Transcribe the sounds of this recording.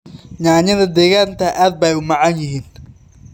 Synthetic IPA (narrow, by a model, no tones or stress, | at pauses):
ɲaːɲɐðɐd̪ɛːɣaːnt̪ʰɐʔaːd̪̚bɛjʊmɑʕɑnjɪɦiːn